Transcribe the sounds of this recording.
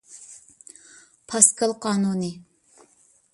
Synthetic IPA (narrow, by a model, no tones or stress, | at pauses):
pʰɑskʰəlˠqʰɑːnunɨ